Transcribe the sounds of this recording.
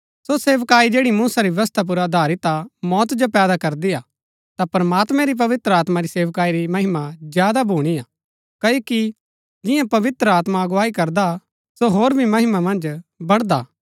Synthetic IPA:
soseːʋkaːid͡ʒeːɽimũːsaɾiʋʋɐst̪ʰap̬ʊɾad̪ʱaːɾit̪amɔːt̪d͡ʒopɛːd̪akɐɾd̪iaː | t̪apɾəmaːt̪mɛ̃ɾip̬ɐʋɪt̪ɾəaːt̪maɾiseːʋkaːiɾimɐɦɪmad͡ʒjaːd̪abʱuːɽ̃iaː | kɐjoːki | d͡ʒɪjãpɐʋɪt̪ɾəaːt̪maɐɡʊʋaːikɐɾd̪a | soɦoːɾbʱimɐɦɪmamɐ̃nd͡ʒbɐɽd̪aː

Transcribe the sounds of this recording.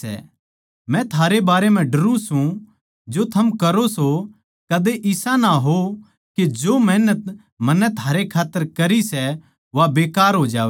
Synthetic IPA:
ɛ̰ | mɛ̃t̪ʰaːɾebaːɾemɛ̃ɖɐɾũsũ | d͡ʒot̪ʰɐmkɐɾoso | kɐd̪eʔɪsãnaɦo | ked͡ʒoːmɛːnət̪ | mɐnːɛt̪ʰaːɾekʰaːt̪ːəɾkɐɾisɛ | ʋabeːkaːɾɦoːd͡ʒaːʋ

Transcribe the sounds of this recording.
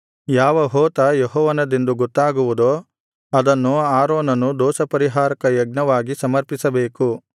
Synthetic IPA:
jaːʋɐɦɔːt̪ɐjeɦɔːʋɐnɐd̪end̪uɡɔt̪ːaːɡuʋud̪oː | ɐd̪ɐnːuaːɾoːnɐnːud̪ɔːʃɐpɐɾiɦaːɾɐkɐjɐɡ̚nɐʋaːɡisɐmɐɾpisɐbeːku

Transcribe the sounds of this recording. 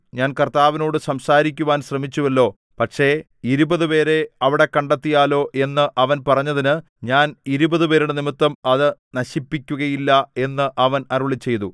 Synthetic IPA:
ɲaːnkɐrt̪aːʋɐno̞ːɽɨsɐmsaːɾikʲːuʋaːnɕrɐmit͡ɕːuʋɐlːo̞ː | pɐʈʂe̞ | iɾubɐðɨpe̞ːɾe̞ɐʋiɽe̞kɐɳɖɐt̪ːijaːlo̞ːʔe̞nːɨʔɐʋɐnpɐrɐɲːɐðinɨ | ɲaːniɾubɐðɨpe̞ːɾuɽɨnimit̪ːɐmɐðɨnɐɕipːikʲːuɣɐjilːɐe̞nːɨʔɐʋɐnɐɾuɭit͡ɕːe̞jt̪u

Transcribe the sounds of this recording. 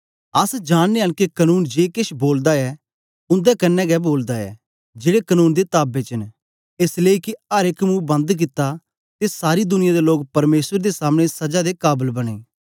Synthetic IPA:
ɐsd͡ʒaːnneənkikənuːnd͡ʒeːkɪʃboːld̪aɛː | ʊ̃nd̪ɛkɐnːɛɡɛboːld̪aɛ̰ː | d͡ʒeːɽekənuːnd̪et̪aːbet͡ʃən | ɪsleiːkiɐɾɪkmũːbɐ̃nd̪k̬ɪt̪ːa | t̪esaːɾid̪ʊnɪjãd̪eloːɡpɐɾmeːswəɾd̪esaːmɽ̃esɐd͡ʒad̪ekaːbəlbɐɽ̃ḛː

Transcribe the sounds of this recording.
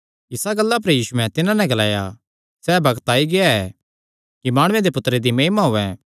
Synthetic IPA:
ɪsaɡɐlːap̬ɐɾjiːsuɛ̃t̪ɪnãnɛ̃ɡɐlaːja | sɛːbɐɡt̪aːiɡeaɛ | kimaːɽ̃ʊ̃ẽd̪epʊt̪ːɾed̪imeːmaɦoːɛ̃

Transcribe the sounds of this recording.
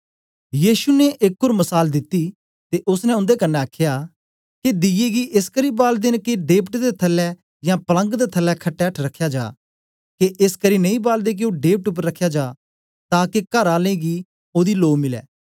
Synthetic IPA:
jiːʃuneʔekːʊɾmɐsaːld̪ɪt̪ːiː | t̪eʔʊsnɛ̃ʊ̃nd̪ekənːɛaːkʰjaː | ked̪ɪjeɡiʔɪskəɾiːbaːld̪ɪnkeɖeːpʈd̪et̪ʰɐlːɛ | jãːpɐlə̃ŋɡd̪et̪ʰəlːɛkʰɐʈːɛəʈʰɾɐkʰːjaːd͡ʒa̰ː | keʔɪskəɾinɐ̃ĩbaːld̪ek̬eoːɖeːp̚ʈʊp̬əɾɐkʰːjad͡ʒaː | t̪ãːkekɐɾaːlẽɡiː | oːd̪iloːmɪlɛ̰ː

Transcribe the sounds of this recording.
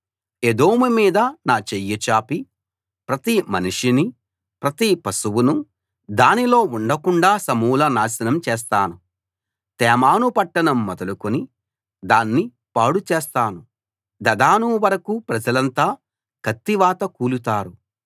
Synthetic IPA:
ed̪o̞ːmumiːd̪ɐnaːt͡ʃejːɐt͡ʃaːpi | pɾɐt̪imɐnuʂini | pɾɐt̪ipɐsuwunu | d̪aːnilo̞ːuɳɖɐkuɳɖaːsɐmuːlɐnaːsɐnɐmt͡ʃɛːs̬t̪aːnu | t̪ɛːmaːnupɐʈːɐnɐmːɔd̪ɐlukoni | d̪aːnːi | paːɽut͡ʃeːst̪aːnu | d̪ɐd̪aːnuʋɐɾɐkupɾɐd͡ʒɐlɐnt̪aː | kɐt̪ːiʋaːt̪ɐkuːlut̪aːɾu

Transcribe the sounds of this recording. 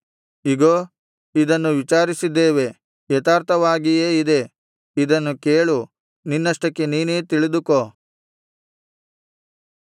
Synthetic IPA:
iɡoː | id̪ɐnːuʋit͡ʃaːɾisid̪ːeːʋe̞ | jɛt̪aːɾt̪ʰɐʋaːɡijeːid̪e̞ | id̪ɐnːukeːɭu | ninːɐʂʈɐkːeniːneːt̪iɭid̪uko

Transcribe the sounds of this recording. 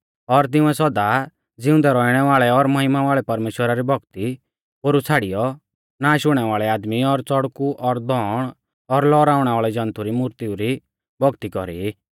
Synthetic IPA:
ɔɾt̪̬ɪ̃ʊ̃ɛsɔd̪a | d͡zɪʊ̃nd̪ɛɾɔiɽ̃ɛʋaːɭɛɔɾmɔɦɪmaʋaːɭɛpɐɾmeːʃwəɾaɾibʱɔɡt̪i | poːɾut͡sʰaːɽijɔ | naːʃʊɽ̃ɛʋaːɭɛaːd̪miɔɾt͡sɔɽkuʔɔɾd̪ɔːɽ̃ | ɔɾlɔːɾaːʊɽ̃ɛʋaːɭɛd͡ʒɐ̃nt̪ʰuɾimuɾt̪iuɾi | bʱɔɡt̪ikɔɾḭi

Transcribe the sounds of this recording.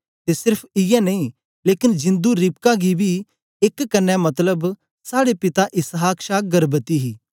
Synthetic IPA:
t̪esɪɾpʰɪjɛnɐĩ | leːkɪnd͡ʒɪ̃nd̪uɾɪp̚kaɡibʱi | ɪkːɐnːɛmɐt̪ləb | saːɽepɪt̪aʔɪsɦaːkʃaːɡɐɾbət̪iɦiː

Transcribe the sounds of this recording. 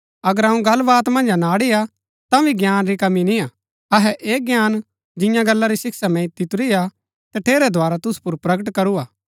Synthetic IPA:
ɐɡəɾɐũɡɐlːʋaːt̪mɐ̃nd͡ʒanaːɽija | t̪aʋiɡjaːnɾikɐminiaː | ɐɦɛʔeːɡjaːn | d͡ʒɪ̃jãɡɐlːaɾisɪksamɛ̃it̪ːit̪ʊɾija | t̪ɐʈʰeːɾɛd̪ʱoaːɾat̪ʊsu̥pʊɾpɾɐɡəʈkɐɾuaː

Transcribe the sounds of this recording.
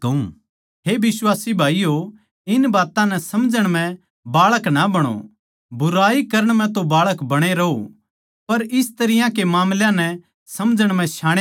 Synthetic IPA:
kɐṵ̃ | ɦebɪswaːsibʱaːijo | ɪnbaːt̪ãnɛsɐmd͡ʒəɽ̃m̤ɛ̃ | baːɭəknabɐɽ̃o̰ | bʊɾaːikɐɾəɽ̃mɛ̃t̪obaːɭəkbɐɽ̃eɾɐɦo | pɐɾɪst̪ɐɾɪjãkemaːmljãnɛ | sɐmd͡ʒəɽ̃mɛ̃ʃaːɽ̃e

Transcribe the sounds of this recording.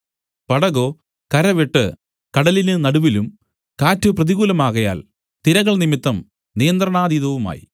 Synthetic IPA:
pɐɽɐɣo̞ː | kɐɾɐʋeʈːɨ̰ | kɐɽɐlinɨnɐɽuʋilum | kaːtːɨprɐðiɣuːlɐmaːɣɐja̰ːl | t̪iɾɐɣɐɭnimit̪ːɐm | nijɐnd̪rɐɳaːðiːðɐʋuma̰ːjḭ

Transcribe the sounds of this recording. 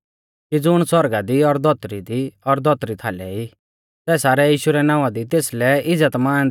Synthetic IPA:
kid͡zʊɽ̃swɔɾɡad̪iɔɾd̪ʱɔt̪ɾid̪iɔɾd̪ʱɔt̪ɾit̪ʰaːlɛi | sɛːsaːɾɛjiːʃuɾɛnãːʋad̪it̪eːslɛɪd͡zət̪mãː

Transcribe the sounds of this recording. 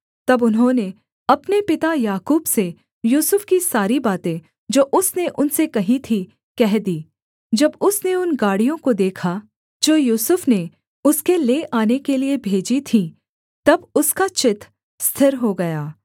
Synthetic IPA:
t̪ɐbʊnɦõːne | ɐpnepɪt̪ajaːkuːbse | juːsʊfkisaːɾibaːt̪ẽ | d͡ʒoːʔʊsneʔʊnsekɐɦĩt̪ʰi | kɛɦd̪iː | d͡ʒɐbʊsneʊnɡaːɽijõkod̪eːkʰa | d͡ʒoːjuːsʊfne | ʊskeleːʔaːnekeliebʱeːd͡ʒit̪ʰĩ | t̪ɐbʊskat͡ʃɪt̪ʰ | st̪ʰɪɾɦoɡɐjaː

